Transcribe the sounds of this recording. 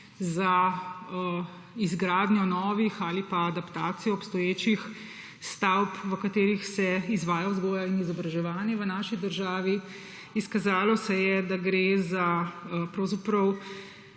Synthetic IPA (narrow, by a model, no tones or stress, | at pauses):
za | izɡɾaːd̪nʲjɔnɔːʋixaːlipaːd̪apt̪aːt̪sijɔːpst̪ɔjeːt͡ʃix | st̪awpʋəkat̪eːɾixsɛizʋaːjauzɡɔːjainizɔbɾaʒɛʋaːnjɛʋənaːʃid̪əɾʒaːʋi | iskazaːlɔsɛjɛd̪aɡɾeːzapɾɔwzapɾɐw